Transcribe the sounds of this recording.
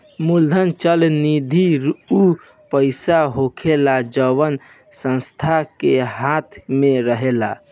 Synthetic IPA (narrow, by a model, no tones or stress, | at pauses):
muld̪ʱənt͡ʃəlnid̪ʱiɾu | pəɪsaɦokʰelad͡ʒəʋən | sə̃nst̪ʰakeɦat̪ʰmeɾəɦela̰